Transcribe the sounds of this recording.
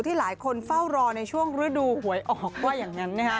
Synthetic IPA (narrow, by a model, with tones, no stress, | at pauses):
wt̪ʰiː˥˩laː˩˦jkʰo˧nfa˥˩wɾɔː˧na˧jt͡ɕʰu˥˩əŋɾɯ˨˦˥duː˧hu˨˩˦əjʔɔː˨˩k̚waː˥˩jaː˨˩ŋːa˦˥nːaː˥˩kʰ